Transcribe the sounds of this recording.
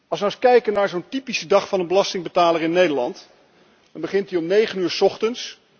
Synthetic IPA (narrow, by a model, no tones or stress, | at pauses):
ɑlˠsʋəɑskɛjkənaːɹzowntipisədɑχfɑnənbəlɑstɪŋbətaːlərɪnːejdəlɑ̰nt | d̥ɑnbəχɪntdiɔmnejχənyːɹsɔχtəns